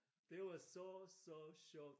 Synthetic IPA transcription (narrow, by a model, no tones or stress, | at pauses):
ðewəsosoʊʃɔk